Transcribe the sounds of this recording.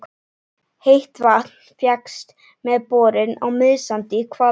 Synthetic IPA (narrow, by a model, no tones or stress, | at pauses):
hejht̪vat̪n | fjakst̪ | mɛðpɔːɾɪna̰ɣmʏðsant̪ɪkʰva